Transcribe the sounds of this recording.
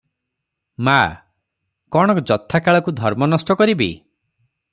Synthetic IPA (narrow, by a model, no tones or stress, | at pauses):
ma | kɔɽ̃ɔkd͡ʒɔt̪ʰːakaɭɔkud̪ʱɔɾmɔnɔsʈɔkɔɾibḭ